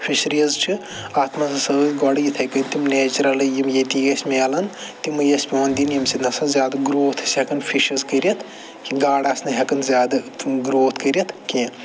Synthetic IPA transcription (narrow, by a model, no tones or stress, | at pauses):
pʰiʃɾiɐzt͡ʃʰi | aːt̪mazɐsɐbɐɡɔɽjit̪ʰɐjkɐnʲt̪imnet͡ʃɾɐlɐjimjet̪iesmeɐlɐnt̪imɨjɐspʲiwond̪injimsinɐsɐ̃zʲjaːd̪ɐɡɾoːt̪ʰsekɐnpʰiʃɐzkəɾjɐt̪ʰ | kiɡaːɽasnɐɦɐkɐnzjaːd̪ɐɡɾoːt̪ʰkəɾjɐt̪ʰkẽ